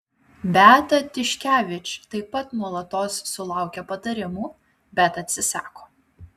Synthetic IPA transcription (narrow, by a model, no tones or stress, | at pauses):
bʲæːt̪ɐt̪ʲɪʃʲkʲæːʋʲɪt͡ʃʲt̪ɐɪpːɐt̪nuɔlˠɐt̪oːsːʊlˠɑˑʊkʲɛpɐt̪ɐɾʲɪmuː | bʲɛt̪ɐt̪ʲsʲɪsɑːkoː